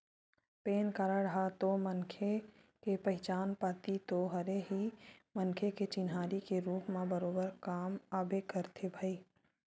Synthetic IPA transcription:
peːnkaɾəɽɦat̪omənkʰe | kepəɦɪt͡ʃaːnpat̪it̪oɦɐɾeɦimənkʰeket͡ʃɪnɦaːɾikeɾuːpmãbəɾoːbəɾkaːmaːbekəɾt̪ʰebʱaːiː

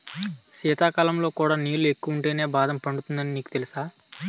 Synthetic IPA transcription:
sɛːt̪aːkaːlɐmlo̞ːkuːɽaːniːlue̞kːuʋuɳʈeːne̞ːbaːd̪ɐmpɐɳɖut̪und̪ɐniniːku̥t̪e̞lisaː

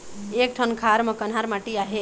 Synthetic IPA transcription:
ek̚ʈʰənkʰaɾmʌkənɦaɾmaʈiaɦe

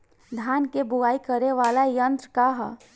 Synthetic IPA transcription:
d̪ʱjaːnkebʊaːikəɾeʋaːlajə̃nt̪ɾkaɦ

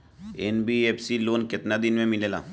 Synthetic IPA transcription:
eːnbiːeːpʰsiloːnkɪt̪nad̪ɪnmẽmɪleːla̰ː

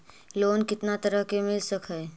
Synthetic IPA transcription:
loːnkɪt̪nat̪ɐɾəɦkemɪlsəkɦɛː

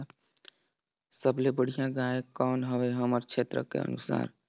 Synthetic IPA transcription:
səblebəɽ̤ijãɡaekɔnɦəbɛɦəməɾt͡ʃʰet̪ɾə̰kḛə̰nusa̰ɾ

